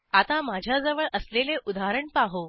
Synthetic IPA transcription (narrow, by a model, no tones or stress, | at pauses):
at̪amad͡ʑʱjad͡zəʋəɭʔəsleleʔud̪aɦɾəɳpaɦo